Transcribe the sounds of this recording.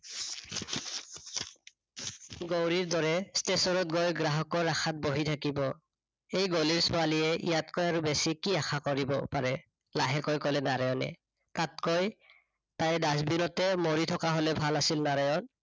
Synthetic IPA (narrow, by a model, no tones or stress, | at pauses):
ɡowɹiɹdɔɹɛstesɔɹɔt̚ɡɔjɡɹaɦɔkɔɹaxʰat̚boɦitʰakibɔ | ejɡoliɹsʊalijɛḭjatkɔjaɹubesikiaxʰakoɹibɔ̰paɹɛ | laɦɛkɔjkɔlɛnaɹajɔnɛ̰ | tat̚koj | tajdasbinɔtɛmoɹitʰɔkaɦolɛbʱalasilnaɹajɔn